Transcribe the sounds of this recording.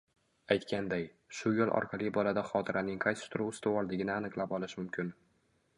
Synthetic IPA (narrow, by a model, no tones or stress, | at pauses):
ajt̪kʲand̪aj | ʃʊjolˠʔɒ̰ɾqʰɑlˠibɒlad̪aχɒt̪ʰɪɾʔanɪŋqʰɑjsɪ̥st̪ʰʊɾuʊst̪awɒlˠd̪ɪɡʲɪnɪanɨqlˠapɒlˠɪʃmʊmkʲʰɪn